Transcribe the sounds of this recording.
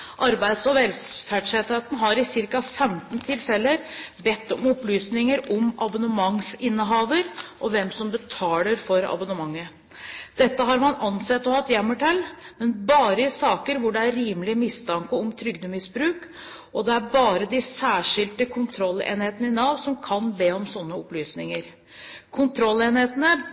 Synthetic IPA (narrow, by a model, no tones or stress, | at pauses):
ʔɑɾbæɪd̪sɔʋɛlfæːɖʂheːt̪heːt̪nɦɑɾɪsɪɾkɑfɛmt̪nt̪ʰɪlfɛlːəɾbɛt̪ːɔmɔplyːsnɪŋəɾɔmɑbɑnəmɑŋsɪnːəɦɑːʋəɾʔɔʋɛmsɔmbət̪ʰɑːləɾfɔɾɑ̰bɑnəmɑŋːə | d̪̥ɛt̪ːəɦɑɾmɑnɑnsɛt̪ːɔhɑt̪ːjɛmːəʈʰɛlːmɛnbɑːɾəɪsɑːkəɾʋʊɖɛæɾiːmlɪəmɪst̪ʰɑŋkəɔmt̪ʰɾʏɡd̪əmɪsbɾʉːk | ʔɔd̪ɛæbɑːɾəd̪ɪsæːʂɪlt̪əkʰʊnt̪ʰɾɔlːḛːnheːt̪ənəɪnɑːʋsɔmkʰɑnbeːɔmsɔnːəɔplyːsnɪŋəɾ | kʰʊnt̪ʰɾɔlːeːnheːt̪ənə